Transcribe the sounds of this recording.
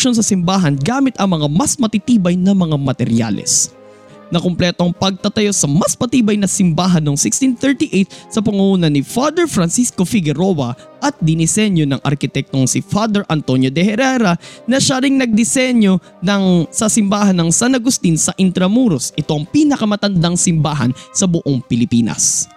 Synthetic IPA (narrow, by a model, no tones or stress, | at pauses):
ʃons̬ɐsɪmbaːɦɐnɡaːmɪt̪ʔɐŋmɐŋamɐsmɐt̪it̪iːbɐjnɐmɐŋamɐt̪ɛɾja̰lɛ̰s | nɐkomplɛt̪o̞ɐŋpɐɡ̚t̪ɐt̪ɐjo̞sɐmɐsmɐt̪iːbɐjnɐsɪmbaːɦɐnːoŋsɪkst̪inθɛɹt̪iʔejt̪̚sɐpɐŋʊʔuːnɐnːɪfad̪ɛɹfɾɐnsiskofɪɡɛɾo̞wɐ | ʔɐt̪̚d̪ɪnɪsɛnjo̞nɐŋʔɐ̰ɾkɪt̪ɛk̚t̪o̞ŋsɪfad̪ɛɹʔɐnt̪o̞njod̪ɛhɛɾɛɾɐnɐʃaɾɪŋnɐɡ̚d̪ɪsɛɲjo | nɐŋsasɪmbaːhɐnːɐŋsanɐɡʊst̪insɐʔɪnt̪ɾɐmuɾosʔɪt̪o̞ʔɐŋpiːnɐkɐmɐt̪ɐnd̪ɐŋsɪmbaːɦɐ̰nsɐbʊʔoŋpɪlɪpiːnɐ̰s